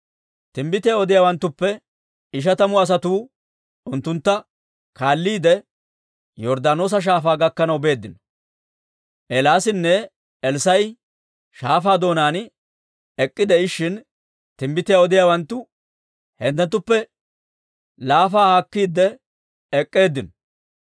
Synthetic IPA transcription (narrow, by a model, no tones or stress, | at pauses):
t̪ɪmbɪt̪ɪjaɔd̪ɪjaːwɐnt̪ːʊpːɛ | ɪʃ̬ɐt̪ɐmʊɐs̬ɐt̪uː | ʊnt̪ːʊnt̪ːɐ | kaːlːiːd̪ɛ | jɔɾd̪aːno̞ːs̬ɐʃ̬aːfaːɡɐkːɐnɐwbe̞ːd̪ːɪnɔ̥ | ʔɛlaːsɪnːɛ | ɛlsɐj | ʃaːfaːd̪o̞ːnaːn | ɛkʼːɪd̪ɛɪʃːɪn | t̪ɪmbɪt̪ɪjaɔd̪ɪjaːwɐnt̪ːʊ | hɛnt̪ːɛnt̪ːʊpːɛ | laːfaːhakːiːd̪ːɛ | ɛkʼːe̞ːd̪ːɪnɔ̥